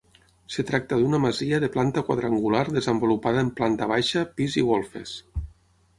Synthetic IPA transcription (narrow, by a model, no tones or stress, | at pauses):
set̪ɾak̚t̪aðunameziʎaðeplant̪akwa̰ðɾaŋɡulaɾðezəmbulupaðaemplant̪aβ̞ajʃapiziɣolˠfḛs